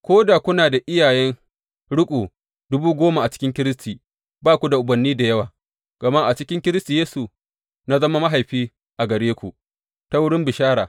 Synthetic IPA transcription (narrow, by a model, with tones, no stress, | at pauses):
kʷoː˦da˨kʷʊ˦naː˨da˨ʔɪ˦jaː˨jɛ˦n | ɽʊ˦kʷʼoː˨ | d̥ʊ˦buː˦ɡʷoː˦ma˨ʔa˨t͡ʃɪ̥˦kʲɪ˦ŋkʲɪ˦ɾɪ˦stiː˨ | baː˦kʷu˨da˨ʔʊ˨bɐ˨nːiː˦da˨jɐ˦waː˨ | ɡ̥ɐ˨ma˦ʔa˨t͡ʃɪ˦kʲɪ˦ŋkʲɪ˦ɾɪ˦sti˨jeː˦su˨ | na˦zɐ˦ma˦ma˦ɦa˨jɸiː˦ | ʔa˨ɡɐ˨ɽeː˦kʷu˨ | ta˦wʊ˦ɽɪ˦mbɪ˨ʃaː˦ɽaː˨